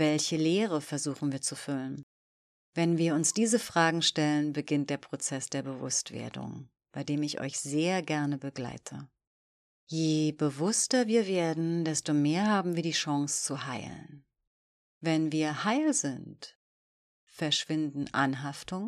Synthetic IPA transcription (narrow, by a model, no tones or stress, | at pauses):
vɛlçəleːʁəfɛɐzuːxn̩viːɐt͡sufʏlən | vɛnviːɐʊnsd̥iːzəfʁ̥aːɡŋ̩ʃtɛlənbəɡɪnt̚d̥eːɐpʁ̥ot͡sɛsd̥eːɐbəvʊ̰stv̥ḛːɐdʊ̰ŋ | b̥aɪdeːmɪçʔɔ̰ʏçz̥eːɐɡɛɐnəbəɡla̰ɪtʰə | jeːbəvʊstɐviːɐveːɐdn̩d̥ɛstomeːɐɦaːbm̩viːɐdiːʃɑŋst͡suhaɪlən | vɛnviːɐhaɪlzɪnt | fɛɐʃv̥ɪndn̩ʔa̰nɦaftʊŋ